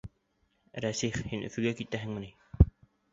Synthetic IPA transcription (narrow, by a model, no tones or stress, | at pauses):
ɾæsiχhinʔɵ̰̆fɵ̆ɡækit̪æɦɘ̆ŋmɘ̆ni